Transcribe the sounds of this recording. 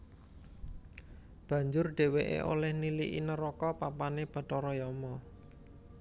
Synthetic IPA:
b̥a̤ɲd͡ʒʊrɖ̥e̤weʔḛʔo̰lɛhniliʔḭnəɾɔkɔpapaneb̥a̤tɔɾɔjɔmɔ

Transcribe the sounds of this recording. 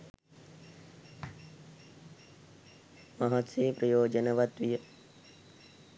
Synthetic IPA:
maɦat̪seːpɾəjoːd͡ʒənəʋat̪ʋijə

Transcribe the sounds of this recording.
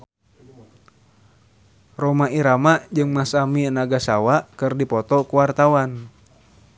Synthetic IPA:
rɔmaiɾamaʔd͡ʒɨŋmasaminaɡasawaʔkɨrdipɔt̪ɔkuwart̪awan

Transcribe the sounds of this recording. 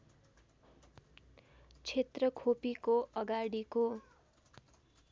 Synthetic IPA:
t͡sʰet̪rʌkʰopikoʔʌɡaɽiko

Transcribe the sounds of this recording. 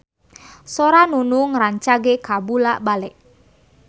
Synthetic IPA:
soɾanunuŋraɲt͡ʃaɡekabulaʔbalɛʔ

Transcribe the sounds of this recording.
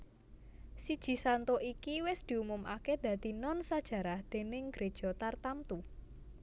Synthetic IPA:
sid̥ʒ̥i̤sant̪oʔikiwɪsd̪̥i̤umʊmʔa̰ked̪̥ä̤t̪inɔnsad̥ʒ̥ä̤ɾahd̪̥e̤nɪŋɡ̥ɾed̥ʒ̥ɔ̤t̪art̪amt̪u

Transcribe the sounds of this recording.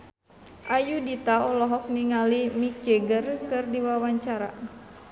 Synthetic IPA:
ʔajudit̪aɔlɔɦɔk̚niŋalimik̚d͡ʒeɡərkɨrdiwawaɲt͡ʃaɾa̰

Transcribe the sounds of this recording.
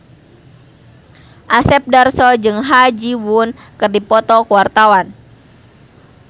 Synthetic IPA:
ʔasɛp̚darsɔd͡ʒɨŋɦad͡ʒiwunkɨrdipɔt̪ɔkuwart̪awan

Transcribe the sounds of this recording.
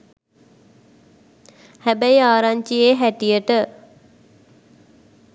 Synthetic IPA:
hæbæiaːɾaɲt͡ʃijeːɦæʈijəʈə

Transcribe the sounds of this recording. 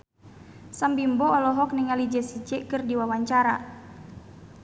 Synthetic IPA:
sambimbɔːlɔɦɔk̚niŋalid͡ʒɛsid͡ʒɛkɨrdiwawaɲt͡ʃaɾa

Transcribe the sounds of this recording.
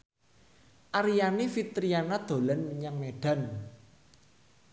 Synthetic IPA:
ʔaɾijanifit̪ɾianad̪̥o̤lanməɲaŋmeɖ̥a̤n

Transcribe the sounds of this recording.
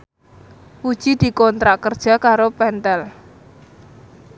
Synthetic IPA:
pud̥ʒ̥id̪̥i̤kɔnt̪ɾaʔkərd̥ʒ̥a̤kaɾopɛnt̪ɛl

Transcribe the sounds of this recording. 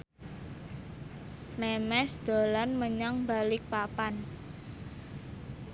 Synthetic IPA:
mɛmɛsd̪̥o̤lanməɲaŋba̤lɪk̚papan

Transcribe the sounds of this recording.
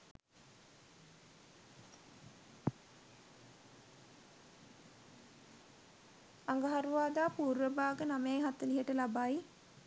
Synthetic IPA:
aŋɡaɦaɾuʋaːd̪aːpuːɾʋəbaːɡənamejɦat̪əliɦəʈəlabaj

